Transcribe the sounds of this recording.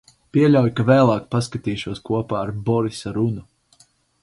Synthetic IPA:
piɛlʲawjkavɛːlˠaːkpaskat̪iːʃuɔskuɔpaːɾbɔɾisaɾunu

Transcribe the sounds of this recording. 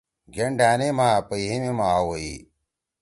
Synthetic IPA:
ɡeɳɖʱaːnemaːpəiɦimemawoḭ

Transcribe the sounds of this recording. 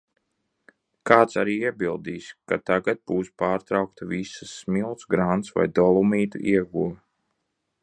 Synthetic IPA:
kaːt̪saɾiːiɛbilˠd̪iːskat̪aɡad̪̚buːspaːɾt̪ɾawk̚t̪avisɨsːmilˠt̪sɡɾant̪sva̰jd̪ɔlˠumiːt̪ṵʔiɛɡuː

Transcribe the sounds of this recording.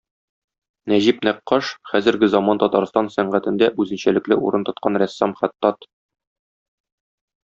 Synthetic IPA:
næʑipnæqːɑʃχæzɘ̆ɾɡɘzɒmɑnt̪ɒt̪ɑɾst̪ɑnsæɴʁæt̪ɘ̆nd̪æʔʉzɘ̆nɕælɘ̆klɘʔuɾɤnt̪ŏt̪̚qɑnɾæsːɑmχæt̪ːɑt̪

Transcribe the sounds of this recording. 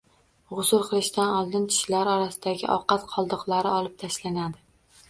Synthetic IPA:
ʁʊsʊɾqʰɨlˠɪʃt̪anɒlˠd̪ɪnt͡ʃʰɪ̥ʃlaɾɒɾasɪd̪aɡʲɪ̰ʔɒ̰qʰɑt̪qʰɒlˠd̪ɨqlˠaɾɪɒlˠɪp̚t̪ʰaʃlanad̪ɪ

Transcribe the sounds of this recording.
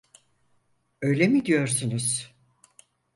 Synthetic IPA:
øjlʲemid̪ijo̞ɾsunuz̥

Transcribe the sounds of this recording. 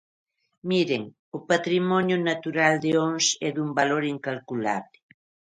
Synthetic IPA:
miɾeŋ | ʊpat̪ɾimonjʊnat̪uɾald̪eoŋsɛd̪umbaloɾiŋkalkula̰βle

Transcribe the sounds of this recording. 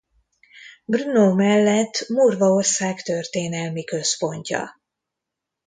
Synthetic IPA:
brunoːmɛlːɛt̪ːmurvɒorsaːkt̪ørt̪eːnɛlmikø̞spo̞ɲcɒ̰

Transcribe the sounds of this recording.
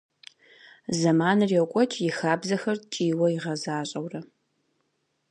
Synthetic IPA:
zɐmaːnɨrjɛwkʷʼɔt͡ʃʼʰjɪxaːbzɐxɐrt͡ʃʼiːwɐɪʁɐzaːɕʼɐwrɐ

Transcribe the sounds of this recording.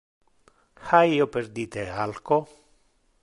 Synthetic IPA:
xajopeɾd̪it̪ealko

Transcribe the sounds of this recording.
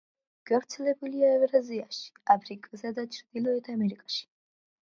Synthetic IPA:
ɡ̥avɾt̪sʰɛlɛbuliaɛvɾaziaʃi̥apʰɾikʼazad̪at͡ʃʰɾd̪̥ilɔɛt̪ʰamɛɾikʼaʃi̥

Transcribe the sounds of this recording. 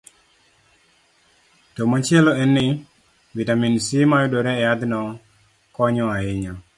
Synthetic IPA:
tomat͡ʃɪeloɛnːɪ | vitaminsimajɔdoɾɛːjat̪nɔ | kɔɲɔaɪɲɔ

